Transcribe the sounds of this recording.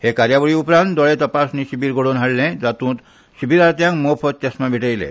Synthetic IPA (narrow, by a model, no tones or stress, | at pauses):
hekaɾjabɔɭiupɾãnt̪d̪ɔɭet̪ɔpasnisibiɾɡoɽonɦaɽlẽd͡ʒat̪ũt̪ | sibʱiɾaɾt̪ijãŋmopʰɔt͡ʃesmabʱiʈajlḛ